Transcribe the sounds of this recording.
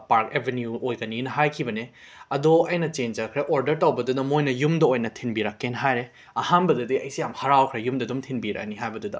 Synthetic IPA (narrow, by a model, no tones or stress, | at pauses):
paɾkebʱenjuojɡɐninɐɦajkʰibɐne | ɐdoɐjnɐt͡ʃend͡ʒɐkʰɾeʔoɾdɐɾtɐwbɐdudɐmojnɐjumdɐojnɐtʰinbiɾakːenɦajɾe | ɐhanbɐdɐdiɐjsijamhɐɾawkʰɾejumdɐdumtʰinbiɾa̰niɦajbɐdudɐ